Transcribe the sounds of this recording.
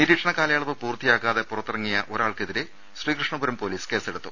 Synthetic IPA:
niɾiːʈʂɐɳɐkaːlɐjaːɭɐʋɐpuːrt̪ijaːkaːðe̞purɐt̪ːirɐŋːijɐʔo̞ɾaːɭkeðiɾɨ | sriːkrɨʂɳɐbuɾɐmpo̞ːliːske̞ːseɽut̪ːṵ

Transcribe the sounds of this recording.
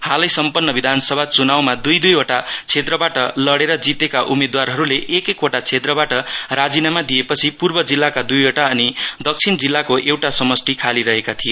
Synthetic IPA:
halʌjsʌmpʌnːʌbid̪ʱansʌbʱat͡sunawmad̪ujd̪ujoʈat͡sʰet̪rʌbaʈʌlʌɽeɾʌd͡zit̪ekaʔumed̪warɦʌɾuleʔekekoʈat͡sʰet̪rʌbaʈʌrad͡zinamad̪ijepʌt͡sʰipurbʌd͡zilːakad̪ujoʈaʌnid̪ʌk̚t͡sʰind͡zilːakoʔewʈasʌmʌsʈikʰaliɾʌɦekat̪ʰijo

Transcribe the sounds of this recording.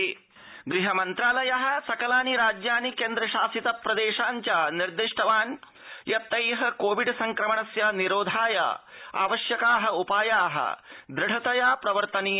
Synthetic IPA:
ɡɾiɦɐmɐnt̪ɾaːlɐjɐɦɐ̆sɐkɐlaːniɾaːd͡ʒjaːnikeːnd̪ɾɐʃaːsit̪ɐpɾɐd̪eːʃaːɲt͡ʃaːniɾd̪iʂʈʰɐʋaːn | jɐt̪ːɐjɦɐkoːʋiɖsɐŋkɾɐmɐɳɐsjaniɾoːd̪ʱaːja̰ːa̰ːʋɐʃjɐkaːɦɐupaːjaːɦɐ̰d̪ɾɪɽɐt̪ɐjaːpɾɐʋɐɾt̪ɐni

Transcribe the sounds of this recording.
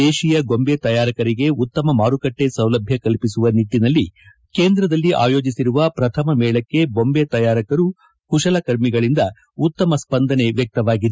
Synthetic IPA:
eːʃijɐɡo̞mbeːt̪ɐjaːɾɐkɐɾiɡe̞ut̪ːɐmɐmaːɾukɐʈːe̞sɐwlɐbʱjɐkɐlpisuʋɐniʈːinɐlːi | keːnd̪ɾɐd̪ɐlːiʔa̰ːjo̞ːd͡ʒisiɾuʋɐpɾɐt̪ʰɐmɐmɛːɭɐkːe̞bo̞mbet̪ɐjaːɾɐkɐɾu | kuʂɐlɐkɐɾmiɡɐɭind̪ɐ | ut̪ːɐmɐspɐnd̪ɐne̞ʋjɐk̚t̪ɐʋaːɡid̪e

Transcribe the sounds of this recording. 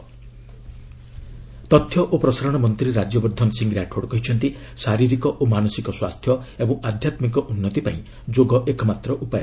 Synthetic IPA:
t̪ɔt̪ʰjɔʔopɾɔsaɾɔɽ̃ɔmɔnt̪ɾiɾad͡ʒjɔbɔɾd̪ʱɔnɔsiŋɡɾaʈʰoɽkɔɦit͡ʃʰɔnt̪i | saɾiɾikɔʔomanɔsikɔswast̪ʰjɔebɔ̃ŋʔad̪ʱjat̪mik̬ɔʔunːɔt̪ipaĩ | d͡ʒoɡɔʔekɔmat̪ɾɔʔupajɔ

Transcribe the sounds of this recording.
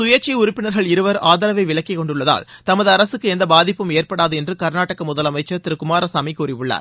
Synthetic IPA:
sʊjɐt͡ʃːiʊɾʊpːɪnɐɾɣɐɭɪɾɯʋɐɾaːðɐɾɐʋɐɪʋɪɭɐkːɪkɔɳɖɯɭːɐða̰ːlt̪ɐmɐðɯɐɾɐsɯkːɯɛnd̪ɐbaːðɪpːɯmeːrpɐɽaːðɯɛndrɯkɐɾnaːʈːɐkɐmʊðɐlɐmɐɪt͡ʃːɐɾt̪ɪɾɯkʊmaːɾɐsɐmɐɪkuːɾɪʋɯɭːa̰ːɾ

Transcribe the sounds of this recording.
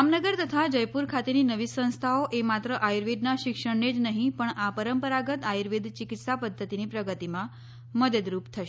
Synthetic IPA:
amnəɡəɾt̪ət̪ʰad͡ʒəjpuɾkʰat̪eninəʋisə̃w̃st̪ʰaoʔemat̪ɾəʔajɾʋid̪naʃɪkʂəɳned͡ʒnəɦĩpəɳapəɾəmpəɾaɡət̪aiɾʋid̪t͡ʃɪkit̪sapəd̪ʱːət̪inipɾəɡət̪imã | məd̪əd̪ɾupt̪ʰəʃe

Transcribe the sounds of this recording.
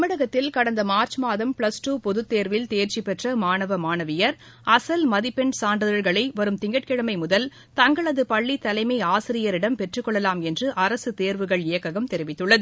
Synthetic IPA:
ɐmɪɽɐɣɐt̪ːɪlkɐɽɐnd̪ɐmaːɾt͡ʃmaːðɐmpɭɐsʈuːpɔðɯt̪ːeːɾʋɪlt̪eːɾt͡ʃipɛʈrɐmaːnɐʋɐmaːnɐʋɪjɐɾ | ɐsɐlmɐðɪpɛɳsaːnɖɐðɐɾɣɐɭɐɪʋɐɾɯmt̪ɪŋɡɐʈ̚kɪɻɐmɐɪmʊðɐl | t̪ɐŋɡɐɭɐðɯpɐɭːit̪ːɐlɐɪmɐɪaːsɪɾɪjɐɾɪɽɐmpɛʈrɯkːɔɭːɐlaːmɛndrɯʔɐɾɐsɯt̪eːɾʋɯɣɐɭɪjɐkːɐɣɐmt̪ɛɾɪʋɪt̪ːɯɭːɐðɯ

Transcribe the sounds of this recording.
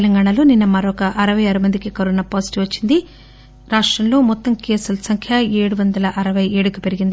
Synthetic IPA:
lɐŋɡaːɳɐloːninːɐmɐɾokɐʔɐɾɐʋɐjaːɾumɐnd̪ikikɐɾunɐpoːsi̥ʈiʋɐt͡ʃːind̪i | ɾaːʂʈɾɐmlo̞ːmɔt̪ːɐmkeːsulɐsɐŋkʰjɐeːɽuʋɐnd̪ɐlɐʔɐɾɐʋɐjeːɽukipe̞ɾiɡind̪i

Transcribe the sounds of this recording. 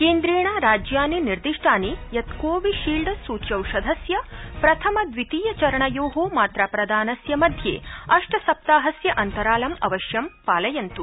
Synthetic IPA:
keːnd̪ɾeːɳaːɾaːd͡ʒjaːniniɾd̪iʂʈʰaːnijɐt̪koːʋiʃiːlɖɐsuːt͡ʃɐwʃɐd̪ʱɐsjɐpɾɐt̪ʰɐmɐd̪ʋit̪iːjɐt͡ʃɐɾɐɳɐjoːɦoːmaːt̪ɾaːpɾɐd̪ʱaːnɐsjɐmɐd̪ʱjḛːɐʂʈɐsɐp̚t̪aːɦɐsjɐʔɐnt̪ɐɾaːlɐmɐ̰ʋɐʃjɐmpaːlɐjɐnt̪u

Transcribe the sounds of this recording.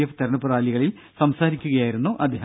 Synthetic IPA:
eft̪eɾɳɨpuraːliɣɐɭil | sɐmsaːɾikʲːuɣɐjaːjiɾunːuʔɐd̪ʱje

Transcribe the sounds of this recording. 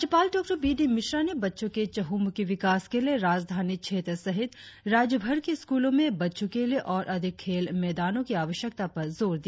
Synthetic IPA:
t͡ʃɐpaːlɖɔːk̚ʈəɾbiːɖimɪʃɾanebɐtːʃõket͡ʃɐɦuːmkiʋɪkaːskelieɾaːd͡ʒd̪ʱaːnikʃʰeːt̪ɾsɐɦɪt̪ɾaːd͡ʒjəbʱɐɾkeɪskuːlõmẽbɐtːʃõkelieʔɔːɾʔɐd̪ʱɪkkʰːeːlmɛːd̪aːnõkiaːʋəʃjək̚t̪apɐɾzoːɾd̪iː

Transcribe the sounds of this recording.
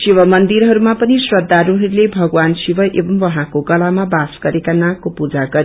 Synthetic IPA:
siwʌmʌnd̪iɾɦʌɾumapʌnisrʌd̪ʱːaɾuɦʌɾulebʱʌɡwansibʌʔebʌmwʌɦãkoɡʌlamabasɡ̥ʌɾekanãkːopud͡zaɡʌɾi

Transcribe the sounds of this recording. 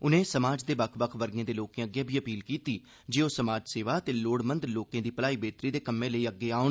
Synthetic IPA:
ʊnẽːsəmaːd͡ʒd̪eːbəkʰbəkʰʋəɾɡẽːd̪eːloːkẽːəɡːjẽːbʱiːəpiːlkiːt̪iː | d͡ʒeːoːsəmaːd͡ʒseːʋaːt̪eːloːɽmə̃nd̪loːkẽːd̪iːpəlaːiːbeːt̪ɾiːd̪eːkəmːẽːləiːəɡːeːaːʊ

